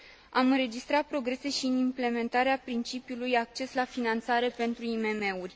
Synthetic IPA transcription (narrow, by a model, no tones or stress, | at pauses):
amɨnɾe̞d͡ʒist̪ɾat̪̚pɾo̞ɡɾe̞se̞ʃiɨnimple̞me̞nt̪aɾeapɾint͡ʃipjulujak̚t͡ʃe̞slafinant̪saɾe̞pe̞nt̪ɾuime̞me̞urʲ